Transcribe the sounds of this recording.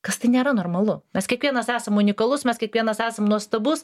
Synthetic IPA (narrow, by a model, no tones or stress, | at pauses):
kɐst̪ɐɪnʲeːɾɐnoːrmɐlˠʊmʲɛskʲiɛkʋʲiɛnɐsæːsɐmʊnʲɪkɐlˠʊsmʲɛskʲiɛkʋʲiɛnɐsæːsɐmnuɔst̪ɐbʊs